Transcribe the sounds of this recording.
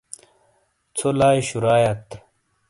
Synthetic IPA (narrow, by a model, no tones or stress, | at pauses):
t͡sʰolaːjɕuɾaːjɐt̪